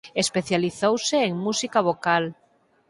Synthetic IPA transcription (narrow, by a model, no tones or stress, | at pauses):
espeθjaliθowseːŋmusikaβ̞okal